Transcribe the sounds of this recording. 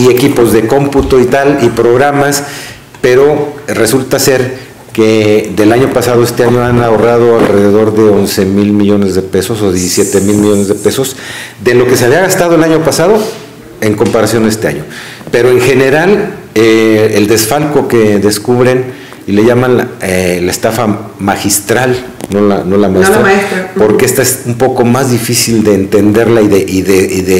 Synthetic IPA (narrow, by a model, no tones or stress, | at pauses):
ie̞kipo̞zðe̞ko̞mput̪o̞it̪alipɾo̞ɣɾamas | pe̞ɾo̞re̞sult̪ase̞ɾ | ke̞ðelaɲo̞pasaðo̞est̪e̞aɲo̞anaorað̞o̞alre̞ðe̞ðo̞ɾðe̞o̞nse̞milmiʝo̞ne̞zðe̞pe̞so̞soðjesisje̞t̪e̞milmiʝo̞ne̞zðe̞pe̞so̞sd̪e̞lo̞ke̞seaβiaɣast̪að̞o̞e̞laɲo̞pasað̞o̞ | e̞ŋko̞mpaɾasjo̞ne̞st̪e̞a̰ɲo̞ | pe̞ɾo̞e̞ŋxe̞ne̞ɾaleeld̪e̞sfalko̞ke̞ðeskuβɾe̞n | ile̞ʝamanlaelaest̪afamaxist̪ɾal | no̞lano̞lamaest̪ɾaɾapo̞ɾkeest̪aesumpo̞ko̞mazðifisild̪eːnt̪e̞nd̪e̞ɾlaiðeʔiðeiðe